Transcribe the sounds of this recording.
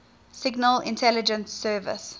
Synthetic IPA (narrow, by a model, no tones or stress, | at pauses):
sɪɡnəlɪ̰̃ntʰɛlɪd͡ʒə̃nsːɜːvɪ̰s